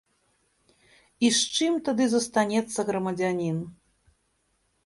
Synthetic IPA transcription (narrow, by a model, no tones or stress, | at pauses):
iʂt͡ʂɨmt̪ad̪ɨzɐst̪anʲɛt̪sːɐɣɾɐmɐd͡zʲanʲin